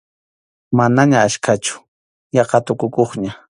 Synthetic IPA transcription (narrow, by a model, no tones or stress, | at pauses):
manaɲaːʃkʰat͡ʃʊ̥ | jɑqɑt̪ʊkʊkoχɲa